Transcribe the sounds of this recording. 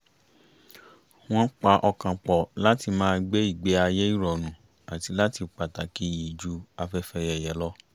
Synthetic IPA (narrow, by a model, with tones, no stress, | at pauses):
w̃ɔ̃˦k͡pa˧ʔɔ˧kã˨k͡pɔ˨la˦ti˧mãː˦˧˦ɡ͡be˦i˦˨ɡ͡be˨˦a˧jɛ˦i˦ɾɔ˨nũ˨ | a˨ti˧la˦ti˧k͡pa˨ta˨ki˨˦ji˨d͡ʒu˨˦a˧fɛ˦fɛ˧jɛ˨jɛ˨˦lɔ˦